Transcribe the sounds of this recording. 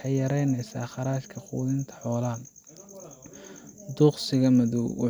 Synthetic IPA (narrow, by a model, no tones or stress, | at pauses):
ħɑjjɐɾɛjnɛjsa̰ːχɑɾaːʃkʰɐχṵːðɪnt̪ʰɐ̥ħɔːlɐ | d̪uqsɪɣɐmɐðuwʊ̰